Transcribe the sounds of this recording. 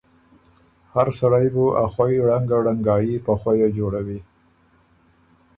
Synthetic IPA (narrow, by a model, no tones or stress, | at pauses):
haɾsaɽajbuʔaxwajɽaŋɡaɽaŋɡɑjipəxwajad͡ʒoɽawi